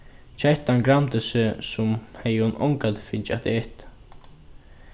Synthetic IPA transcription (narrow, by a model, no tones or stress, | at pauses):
t͡ʃʰɛht̪ːaŋɡɾamt̪əsɪsʊmhɛjʊnʔɔ̰ŋkat̪fɪnt͡ʃa̰t̪eht̪